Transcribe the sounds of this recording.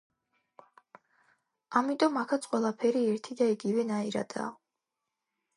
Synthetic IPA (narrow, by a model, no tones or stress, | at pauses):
amit̪ʼɔmakʰat̪sʰʼqʼwɛlˠapʰɛɾiɛɾt̪ʰid̪aiɡivɛnaiɾa̰d̪̥a̰ː